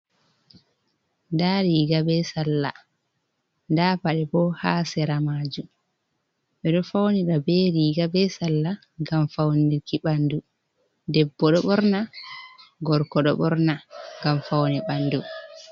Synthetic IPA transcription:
ndaɾiːɡabɛsalːa̰ | ndapaɗɛbɔhaːsɛɾamaːd͡ʒum | ɓɛɗɔfawniɗabɛɾiːɡabɛsalːa | ɡamfawniɾkiɓandu | dɛbːɔɗɔɓɔɾna | ɡɔɾkɔɗɔ̰ɓɔɾnaŋɡamfawnɛɓandu

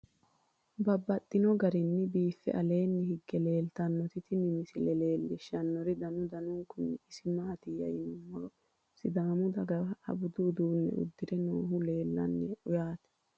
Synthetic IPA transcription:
bɐbːɐt̪ʼːɪnɔɡɐɾɪnːɪbiːfːɛ̰ʔɐle̞ːnːɪhɪɡːɛle̞ːlt̪ɐnːɔt̪ɪt̪ɪnɪmɪsɪlɛleːlːɪʃɐnːɔɾɪd̪ɐnʊd̪ɐnʊŋkʊnːɪɪsɪmaːt̪ɪjɐ̰jɪnʊmːɔ | sɪd̪aːmʊd̪ɐɡɐɐɐ̰bʊd̪ʊːd̪uːnːɛ̰ʊ̰d̪ːɪɾɛnoːɦʊle̞ːlːɐ̰nːɛʊjaːt̪ɛ̥

